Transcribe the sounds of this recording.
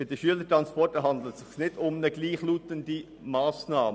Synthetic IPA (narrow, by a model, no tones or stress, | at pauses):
b̥ɪd̥əʃyələtɾanspɔrtəɦɑnd̪l̩ətsɪχnɪdʊmnəɡliːχluːtəndi | maːsnaːmə